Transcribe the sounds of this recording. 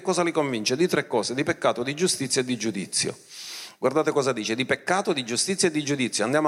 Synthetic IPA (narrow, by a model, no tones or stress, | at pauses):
kːɔːzalikoɱvint͡ʃed̪it̪ɾekːɔːsed̪ipekːaːt̪od̪id͡ʒust̪it̪sːjaed̪ːid͡ʒud̪it̪sːjo̰ | ɡwaɾrd̪aːt̪ekɔːzad̪iːt͡ʃɪd̪ipekːaːt̪od̪id͡ʒust̪it̪sjaed̪ːid͡ʒud̪it̪sːjoand̪jaːm